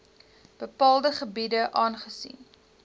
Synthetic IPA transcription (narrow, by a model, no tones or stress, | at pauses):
b̥əpɑːlˠdəχəbidəʔɑːnχəsḭn